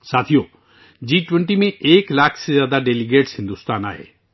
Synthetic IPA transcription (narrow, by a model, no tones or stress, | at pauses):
sat̪ʰijo | d͡ʑiʈweɳʈimeʔeklakʰsed͡ʑad̪aɖeliɡeʈshind̪ust̪ana̰ɦḛ